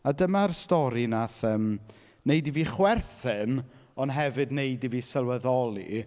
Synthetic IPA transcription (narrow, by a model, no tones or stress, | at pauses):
adəmarstɔɾinaθəːm | nejdiviːχwɛrθɪn | ɔnɦɛvɨdnejdiviːsəlˠwəðɔlˠḭ